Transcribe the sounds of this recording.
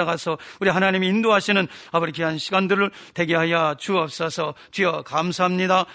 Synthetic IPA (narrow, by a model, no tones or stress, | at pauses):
aɡasʰʌuɾiɦanaɲimiːndoɦaɕʰinɯnabɯɾikʰeɦanɕʰiɡandɯɾɯɭtwe̞ɡeɦajat͡ɕuʌp̚s͈ʌsʰʌ | t͡ɕɥiʌkamsʰaɦamɲida